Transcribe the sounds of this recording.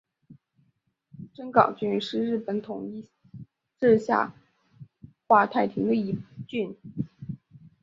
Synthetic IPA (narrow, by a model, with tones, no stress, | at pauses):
ʈ͡ʂə˥nkɑ˨˩ʊt͡ɕy˥˩nʂɻ̩˥˧ɻɻ̩˥˩pə˨˩nt̪ʰʊ˨˩ŋi˥˧ | ʈ͡ʂɻ̩˥˧ɕja̰˥˧ | xwa˥t̪ʰa˥˩ɪt̪ʰi˧˥ŋd̪ə˧i˧˥t͡ɕy˥˩n